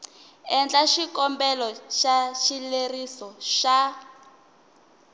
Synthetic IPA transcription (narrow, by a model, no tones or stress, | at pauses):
ɛnd͡ɮaʃikɔmbɛlɔʃaʃilerisɔʃa